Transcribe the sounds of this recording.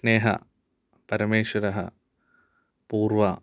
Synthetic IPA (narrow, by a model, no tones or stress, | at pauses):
neːɦɐ̰ | pɐɾɐmeːɕwɐɾɐɦɐ̰ | puːrʋɐ